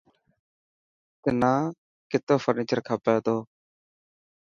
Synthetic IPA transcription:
t̪enãː | kɪt̪oːfʰəɾniːt͡ʃəɾkʰaːpeːt̪oː

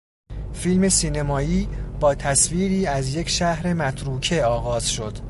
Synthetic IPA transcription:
filme̞siːnemɒːiːb̥ɒːt̪ʰæsviːɾiːæzje̞cʰʃæhɾe̞mæt̪ʰɾuːcʰe̞ɒːɣɒːz̥ʃo̞d̪̥

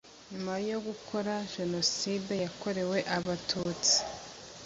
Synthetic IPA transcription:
ɲumajo̞ɡukʰo̞ɾaʒ̥e̞no̞side̞jako̞ɾe̞we̞ʔaβatʰuːt͡si̥

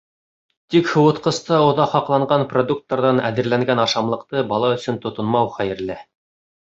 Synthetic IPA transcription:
t̪ikhŏwɤ̆t̪qɤ̆st̪ɑŏðɑχhɑqlˠɑɴɢɑnprod̪uk̚t̪ːɑɾðɑnæ̰ðɘ̆ɾlæŋɡænɑʃɑmlˠɤ̆qt̪ɤbɑlˠɑɵ̆sɵnt̪ŏt̪ŏnmɑwχæjɘ̆ɾlɘ

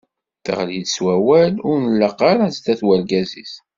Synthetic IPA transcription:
θə̰ʁlid̪swæwælʊɾnlːəqːɑɾæzd̪æθwælɡæziθ

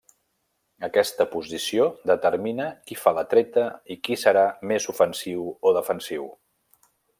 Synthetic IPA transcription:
əkɛst̪əpuzisiod̪ət̪əɾminəkifalət̪ɾɛt̪əikisəɾamezufənsiwoðəfənsiw

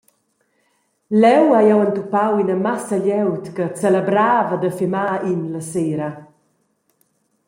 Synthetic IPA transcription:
lɛwajɔwənt̪upawinəmasəʎɛwt̪kət͡sɛləbɾaːvədəfimaːinləseːɾə

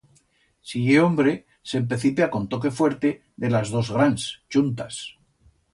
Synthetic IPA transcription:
sieo̞mbɾe̞ | se̞mpɾeθipjakont̪o̞ke̞fwe̞ɾt̪e̞ | ðe̞lazðo̞zɣɾanst͡ʃunt̪as

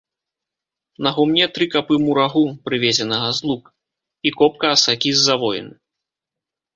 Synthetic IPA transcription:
nɐɣumnʲɛt̪ɾɨkapɨmuɾaɣupɾɨvʲezʲɛnɐɣɐzlˠuk | ikɔp̚kɐːsakʲizːavɔjɛ̰nɨ

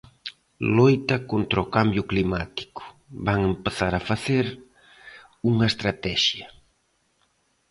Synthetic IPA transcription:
lojt̪ɐkont̪ɾɐokambjʊklimat̪i̥kʊ̥ | βaŋempeθaɾafaθeɾ | uŋɐest̪ɾat̪ɛʃjɐ

